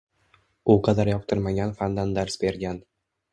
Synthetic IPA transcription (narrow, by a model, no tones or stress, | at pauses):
ʊqʰɑd̪aɾjɒp̚t̪ʰɪɾmaɡʲanfand̪and̪aɾsbe̞ɾɡʲan